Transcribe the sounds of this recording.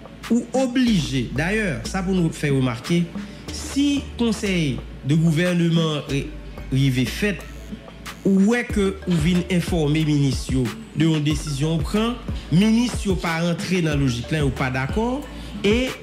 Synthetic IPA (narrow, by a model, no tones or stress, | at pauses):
uobliʒed̪ajœʁsap̬unufɛʁəmaʁke | sikɔ̃sɛj | d̪əɡuvɛʁnəmɑ̃ | ʁivefɛt̪̚ | uwɛkəũvinɛ̃fɔʁmeminist̪jo | d̪əɔ̃d̪esizjɔ̃ũpχɑ̃minist̪jopaɑ̃t̪ʁed̪ɑ̃loʒiklãupad̪akɔʁ | e